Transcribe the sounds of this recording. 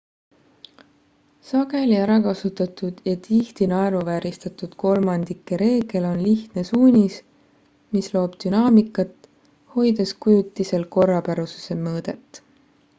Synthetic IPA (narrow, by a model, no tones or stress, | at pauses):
sɑɡ̥e̞liæɾɑkɑsut̪ːˑɑt̪ˑud̪̥jɑt̪ʰiht̪inɑeɾuvæːɾist̪ɑt̪ud̪̥ko̞lmɑnd̪̥ikːeɾe̞ːɡ̥e̞lo̞nliht̪ne̞suːnʲis | mislo̞ːb̥d̪̥ynɑːmikːˑɑt̪ːˑ | ho̞jd̪̥e̞skujut̪ːˑise̞lko̞rːɑpæɾusu̥se̞mɤːd̪̥e̞t̪ːˑ